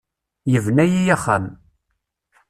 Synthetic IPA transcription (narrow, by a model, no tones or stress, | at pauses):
jəvnæjijaχːa̰m